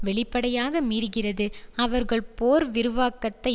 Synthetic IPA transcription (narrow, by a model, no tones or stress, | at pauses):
ʋɛɭɪpːɐɽɐjaːɣɐmiːɾɣɪrɐðɯɐʋɐɾɣɐɭpoːɾʋɪɾɯʋaːkɐt̪ːɐɪ